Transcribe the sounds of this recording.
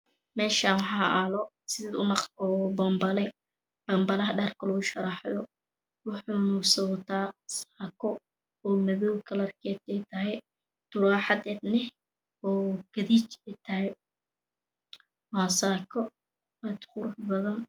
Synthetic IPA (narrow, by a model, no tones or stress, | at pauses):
mɛːʃaːnwɑħɑʔɐlɔ | sɪðɛːdʊnɑq̪ɔːbɐmbɐlɛ | b̥ɐmbɐlɐɦɐɖɐrkʰɐlɔɣʊʃɐɾɑħðɔ | wʊħunʊsɔwt̪ʰaːsaːkʰɔ | ɔːmɐðɔːwkʰɐlɐrkʰɛːd̪ɛjt̪ʰɐɦɛ | t̪ʊɾaːħɑd̪ɛːd̪nɪ | ɔːɡ̥ɐðiːt͡ʃɛt̪ʰɐɦɛj | waːsaːkʰɔ | ɐd̪qʊɾʊħbɐðɐn